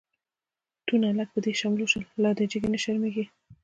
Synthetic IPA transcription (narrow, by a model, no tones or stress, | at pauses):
t̪unalak̚pəd̪eʃɑmloʃəlːɑd̪əd͡ʒɪɡenaʃaɾmeɡi